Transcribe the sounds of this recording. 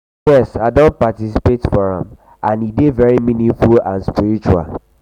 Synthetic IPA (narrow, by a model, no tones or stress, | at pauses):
jɛsaɪdõntpatisipetfɔɹã̰m | ʔãnidevɛɹimĩnĩŋfulã̰nspiɾit͡ʃua̰l